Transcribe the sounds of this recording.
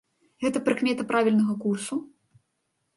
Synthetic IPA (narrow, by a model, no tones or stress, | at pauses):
ɣɛt̪ɐpɾɨkmʲɛt̪ɐpɾavʲilʲnɐɣɐkursu